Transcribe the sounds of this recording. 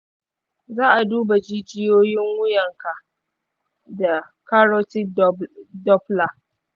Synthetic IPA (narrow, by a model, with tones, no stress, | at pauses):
zaː˦ʔa˨duː˦ba˨d͡ʒi˦d͡ʒɪ˦joː˦jɪ˦ŋwʊ˦jɐ˨ŋka˨ʔ | da˨ | ka˦ɾo˦ti˦ | dɔ˦pla˨ʔ